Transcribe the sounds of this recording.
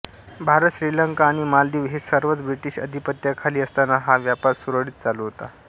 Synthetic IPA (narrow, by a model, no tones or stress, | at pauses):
bʱaɾət̪ɕɾiləŋkaːɽ̃imald̪iːʋɦesəɾʋət͡sbɾiʈiːɕə̰d̪ʱipət̪jakʰaliːəst̪anaɦaʋjapaɾsuɾəɽiːt̪̚t͡saluɦot̪a